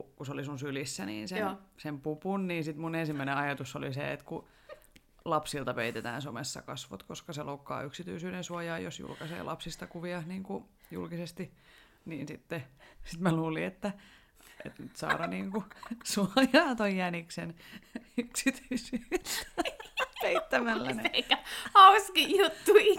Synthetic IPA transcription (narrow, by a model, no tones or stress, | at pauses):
kukuseolisunsylisːænḭːnsensempupunniːnsit̪munensimːæineɑjɑt̪usːo̰lisḛḛt̪ku | lɑpsilt̪ɑpeit̪et̪æ̰ːnsomesːɑ̰kɑsʋo̰t̪koskɑseloukːɑ̰ːyksit̪yisyːdensuɑjɑːjosjṵlkɑsḛːlʔɑ̰psist̪ɑkuʋiɑhniːŋku | jṵlkisest̪i | niːnsit̪ːesit̪mæluːliet̪ːæ | ʔḛt̪nyt̪sɑ̰ːɾɑniːŋkusuɑjjɑːt̪ojjæniksenyksit̪yisyːs | peit̪ːæmælːæneikːæhɑuskijjut̪ːui